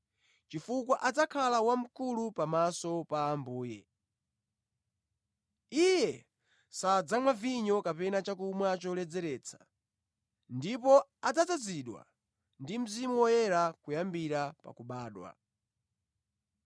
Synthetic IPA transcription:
t͡ʃifukwaʔad͡zakʰalawam̩kulupamasɔpaːmbuːjɛ | ijɛ | sad͡zamwaviɲɔkapɛnat͡ʃakumwat͡ʃɔlɛd͡zɛɾɛːt͡sʰḁ | ndip̬ɔad͡zad͡zad͡ziɗwa̰ | ndim̩zimuɔjɛɾakujambiɾapa̰kuɓaːɗwa̰

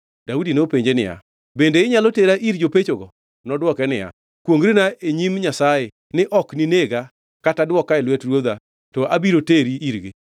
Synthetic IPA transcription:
d̥audinopeɲd͡ʒenɪ̰ja̰ | bendeɪɲaloteɾaʔiɾd͡ʒopet͡ʃoɡɔ | nɔdwɔkɛnɪja̰ | kwoŋɡɾinaeɲimɲasaje | nɪʔɔknineɡa | katadwɔkaɛlwɛtrwod̪a | tɔabiɾoteɾiiɾɡɪ

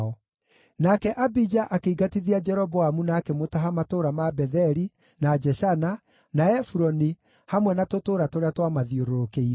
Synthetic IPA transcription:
ɔ | nakɛʔabid͡ʒaʔakeiɡatiðiad͡ʒɛɾɔbɔamunaːkɛmotaɦamatoːɾamabɛðɛɾi | nad͡ʒɛʃana | naɛfuɾɔni | hamwɛnatotoːɾatoɾeatwamaðioɾoɾokeiɾ

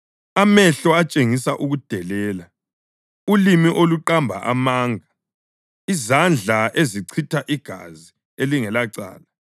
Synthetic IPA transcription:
amɛɬɔat͡ʃʼeŋisaʔuɣud̥ʱɛlɛːla | ulimiʔoluǃambʱa̰ʔa̰maːŋa | izand͡ɮʱaʔeziǀʰitʰaʔiɡ̥ʱa̰zi | eliŋɛlaǀa̰ːla

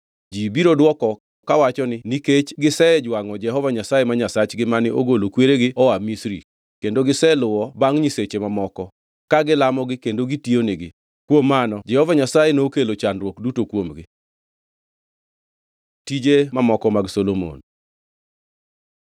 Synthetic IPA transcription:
d͡ʒibiɾodwɔkɔ | ɔkawat͡ʃɔnɪniket͡ʃɡɪsɛd͡ʒwaŋɔd͡ʒɛɦɔvaɲasajemaɲasat͡ʃɡɪmanɪʔoɡolokweɾeɡɪɔwamisɾḭ | kendoɡɪsɛlʊwɔbaŋɲiset͡ʃemamɔkɔ | kaɡɪlamɔɡɪkendoɡitionɪɡɪ | kwomːanɔd͡ʒɛhɔvaɲasajenokelot͡ʃandɾwokdutokwomɡɪ | tid͡ʒemamɔkɔmaɡsolomo̰n

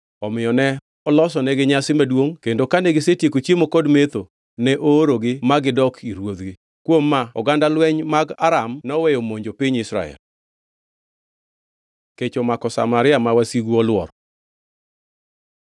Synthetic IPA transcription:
ɔmɪjɔnɛ | ɔlɔs̬ɔnɛɡɪɲasɪmadwoŋkendokanɛɡɪsetjekot͡ʃjemokɔdmet̪o | nɛʔoːɾoɡɪmaɡɪdɔkʰiɾwod̪ɡɪ | kwomːaɔ̰ɡandalwɛɲmaɡaɾamnɔwɛjomoɲd͡ʒopiɲɪsɾa̰ɛ̰l | ket͡ʃomakɔsa̰maɾɪamawasiɡuɔlwɔ̰ɾɔ

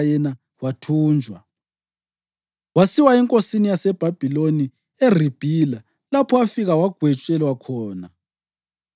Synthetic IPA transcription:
jɛna | watʰuːnd͡ʒʱwa | wasiwaɛŋkʼosinijasɛb̥ʱab̥ʱiloni | er̤ib̥ʱila | lapʰɔwafiɣawaɡ̥ʱwɛt͡ʃʼɛlwakʰɔːna

